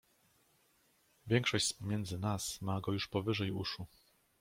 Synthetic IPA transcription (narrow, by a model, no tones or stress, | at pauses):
vʲjɛŋkʂɔɕt͡ɕspɔmʲjɛnd̪zɘnasmaɡɔjuʂpɔvɘʐɛjṵʂu